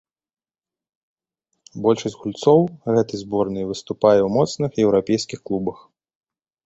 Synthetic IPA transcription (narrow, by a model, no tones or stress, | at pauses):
bɔlʲʂɐɣulʲt̪sɔwɣɛt̪ɨzbɔrnɨjvɨst̪upajɛwmɔt̪snɨxjɛwɾapʲɛjskʲixklˠubɐx